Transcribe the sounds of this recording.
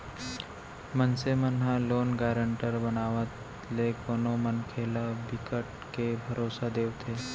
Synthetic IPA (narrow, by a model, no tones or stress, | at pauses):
mənsemənɦãloːnɡɛːɾə̃ɳʈəɾbənaːʋət̪ | lekoːnomənkʰeːlabɪkəʈ̚ | kebʱɐɾoːsad̪eːʋt̪ʰeː